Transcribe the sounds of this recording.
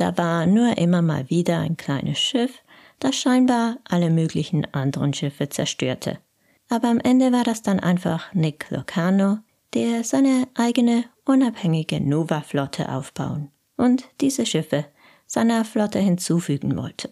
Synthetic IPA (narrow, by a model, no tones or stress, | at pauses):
d̥a̰ːvaːɐnuːɐʔɪmɐma̰ːlviːdɐa̰ɪnkʰl̥aɪnʔəsʃɪf | d̥asʃaɪnbaːɐʔaləmøːklɪçn̩ʔandəʁənʃɪfət͡sɛɐʃtø̰ːɐtʰə̰ | ʔaːbɐamʔɛndəvaːɐdasd̥anʔa̰ɪnfa̰χnɪklo̰kʰaːno | d̥eːɐzaɪnəʔaɪɡənəʔʊnaphɛŋɪɡənoːvaflɔtʰə̰ʔa̰ʊfb̥a̰ʊən | ʔʊntd̥iːzəʃɪfə | z̥aɪnɐflɔtəhɪnt͡suːfyːɡŋ̩vɔ̰ltʰə̥